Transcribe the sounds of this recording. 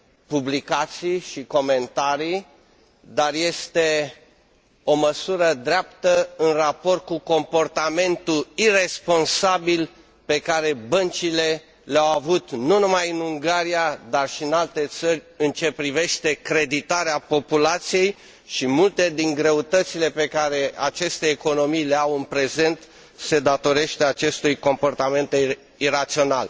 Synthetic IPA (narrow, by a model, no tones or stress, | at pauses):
publikat̪sijʃiko̞me̞nt̪aɾij | d̪arje̞st̪e̞ | o̞məsuɾəd̪ɾeapt̪əɨnrapo̞rt̪̚kuko̞mpo̞rt̪ame̞nt̪uire̞spo̞nsabil | pe̞kaɾe̞bənt͡ʃile̞ | leawavut̪nunumajɨnuŋɡaɾiad̪arʃiɨnalt̪e̞t̪sərʲɨnt͡ʃe̞pɾive̞ʃt̪e̞kɾe̞d̪it̪aɾeapo̞pulat̪sije̞j | ʃimult̪e̞d̪iŋɡɾe̞ut̪ət̪sile̞pe̞kaɾe̞at͡ʃe̞st̪e̞ːko̞no̞mijleawɨnpɾe̞ze̞nt̪ | se̞d̪at̪o̞ɾe̞ʃt̪eat͡ʃe̞st̪ujko̞mpo̞rt̪ame̞nt̪e | iɾat̪sio̞nal